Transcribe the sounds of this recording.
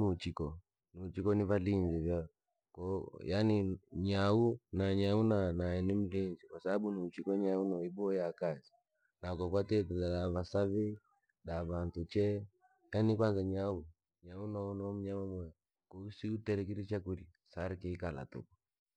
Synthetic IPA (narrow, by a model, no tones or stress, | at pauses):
ut͡ʃikɔ | nut͡ʃikɔnivalinzivja | kɔjaniɲaunaɲaunanaɛnim̩linzikwasabaɓuniut͡ʃikɔɲaunɔibɔjakazi | nakɔk̬watɛtɛlalaβasaβɛi | ɗavantut͡ʃɛ | janikwanzaɲau | ɲaunɔnɔm̩ɲamamwɛ | kɔusiutɛɾɛk̬iɾit͡ʃakuɾi | saɾikɛikala̰tɔ̰kɔ